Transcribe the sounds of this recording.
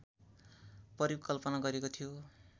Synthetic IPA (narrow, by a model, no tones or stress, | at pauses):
pʌɾikʌlpʌnaɡʌɾekot̪ʰijo